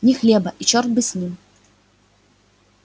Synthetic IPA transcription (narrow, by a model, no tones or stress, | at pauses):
nʲɪxlʲebɐʔit͡ɕort̪̚bɨsʲnʲim